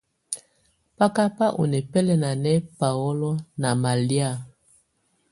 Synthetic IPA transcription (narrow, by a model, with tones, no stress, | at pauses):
pa˦ka˦pa˦ʔo̰˨nɛ˨pɛ˦lɛ˦na˨nɛ˦pa˨ɔ˦lɔ˦na˨ma˨li˦a˦˨